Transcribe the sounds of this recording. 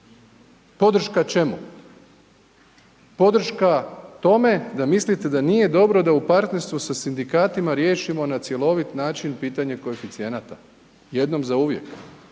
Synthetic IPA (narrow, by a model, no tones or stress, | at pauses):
po̞d̪r̩ʃkat͡ʃe̞mu | po̞d̪r̩ʃkat̪o̞me̞d̪amislit̪e̞d̪anije̞d̪o̞bɾo̞d̪aupaɾt̪ne̞ɾst̪ʋusasind̪ikaːt̪imaɾje̞ːʃimo̞nat̪sje̞lˠo̞ʋit̪naːt͡ʃinpiːt̪aɲeko̞efit̪sie̞nat̪a | je̞d̪no̞mzauʋje̞̰k